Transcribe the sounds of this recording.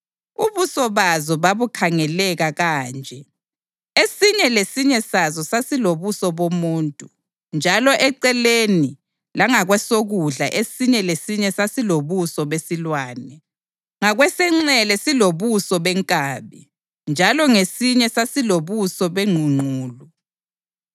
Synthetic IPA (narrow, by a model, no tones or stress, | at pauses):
uβusɔβazɔβaβukʰaŋɛlɛɣaɣaːnd͡ʒʱɛ | esiɲɛlesiɲɛsazɔsasiloβusɔβomuːntʼu | nd͡ʒʱalɔʔɛǀɛleni | laŋaɣwɛsoɣuɮa̰ʔesiɲɛlesiɲɛsasiloβusɔβesilwaːnɛ | ŋaɣwɛsɛŋ͡ǀɛlɛsiloβusɔβɛŋkʼaːβi | nd͡ʒʱalɔŋesiɲɛsasiloβusɔβeŋ͡ǃʱuŋ͡ǃʱuːlu